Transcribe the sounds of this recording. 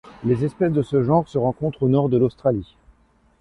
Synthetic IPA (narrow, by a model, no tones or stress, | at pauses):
lezɛspɛs̬d̪əsəʒɑ̃ʁsəʁɑ̃kɔ̃t̪χonɔʁd̪əlost̪χali